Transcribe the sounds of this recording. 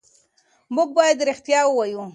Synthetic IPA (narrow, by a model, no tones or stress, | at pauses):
muɡ̚bɑjad̪ɾɪxt̪jɑwəwɑju